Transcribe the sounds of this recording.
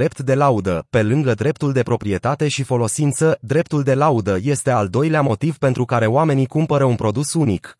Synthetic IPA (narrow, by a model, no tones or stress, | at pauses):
ɾe̞pt̪d̪e̞laud̪əpe̞lɨŋɡəd̪ɾe̞pt̪uld̪e̞pɾo̞pɾie̞t̪at̪e̞ʃifo̞lo̞sint̪səd̪ɾe̞p̚t̪uld̪e̞laud̪əje̞st̪e̞ald̪o̞jleamo̞t̪ivpe̞nt̪ɾukaɾe̞oame̞nikumpəɾəunpɾo̞d̪usunik